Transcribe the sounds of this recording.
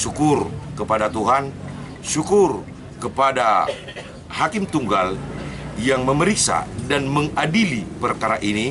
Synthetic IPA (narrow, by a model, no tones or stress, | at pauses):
ʃukʊrkəpadat̪uɦan | ʃukʊr | kəpada | hakɪmt̪uŋɡaljaŋməməɾiksa̰danməŋadilipərkaɾaʔini